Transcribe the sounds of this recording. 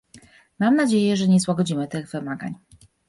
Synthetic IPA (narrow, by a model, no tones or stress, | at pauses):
mamnad͡ʑejɛʐɛɲɛswaɡɔd͡ʑimɘt̪ɘɣvɘmaɡa̰ɲ